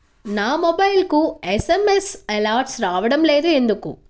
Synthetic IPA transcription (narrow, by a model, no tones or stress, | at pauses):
naːmobɐjlkuesemesɛlaːɾɖsɾaːʋɐɽɐmle̞ːd̪uend̪ukṵ